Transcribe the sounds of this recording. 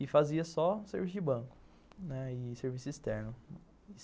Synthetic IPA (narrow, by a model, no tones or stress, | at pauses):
ɪfaziɐsɔ̃seɾvisʊd͡ʒɪbɐ̃kʊ̥ | nɛɪseɾvisʊist̪ɛɾnʊ